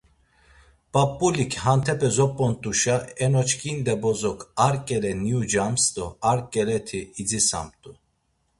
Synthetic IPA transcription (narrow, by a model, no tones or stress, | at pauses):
pʼapʼːulikʰhant̪ʰɛpʼɛzɔpʼːɔnt̪ʼuʃaɛnɔt͡ʃʰkʰʼind̪ɛbɔzɔkʰaɾkʼɛlɛniud͡ʒamst̪ʼɔaɾkʼɛlɛt̪ʰiːd͡zisa̰mt̪ʼu